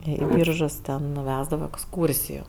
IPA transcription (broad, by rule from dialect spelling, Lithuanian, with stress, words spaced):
ˈiː ˈbʲiːrʒʊs tʲɛn nʊ ˈʋʲæːzdɐʋoː ɛksˈkuːrʲsʲɪjuː